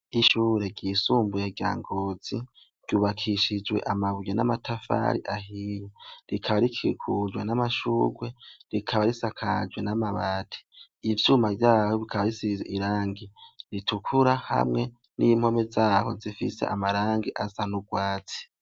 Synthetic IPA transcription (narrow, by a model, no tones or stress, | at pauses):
iʃuːɾe̞ɟiːsuːmbujeɟa̰ːŋɡo̞z̥i̥ | ɟ̥uːβakʰiʃid͡ʒwe̞̰ʔamaβujenamatafa̰ɾḭʔahijeɾikʰaβaɾikʰikʰud͡ʒwḛnamaʃuːɡwe̞ɾikʰaβaɾisakʰad͡ʒwenamaβaːtʰi̥ | ivjumavjaːhoβikʰaβaɾisizeʔiɾaːŋɡiɾitʰukʰuɾaha̰mŋe̞ | nim̥ho̞mezaːho̞̰zifḭse̞̰ʔamaɾaːŋɡiʔasanuɡwaːt͡si̥